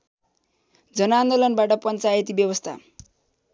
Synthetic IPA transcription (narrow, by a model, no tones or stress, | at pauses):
d͡zʌnand̪olʌnbaʈʌpʌnt͡sajet̪ibjʌbʌst̪ʰa̰